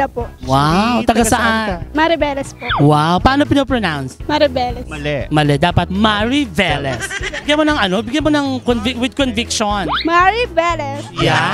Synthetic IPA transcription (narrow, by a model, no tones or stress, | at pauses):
ɐpowawt̪ɐɡasɐʔamaɾɪbɛːlɛspowawpaʔaːnopɪnopɹonawnsmɐɾɪbɛlɛɐlɛmɐlɛd̪aːpɐt̪̚maɹivɛlɛsbɪɡjanmonɐŋɐno̞bɪɡjanmonɐŋkonvɪwɪd̪̚konvɪkʃonmaɹibɛlɛsja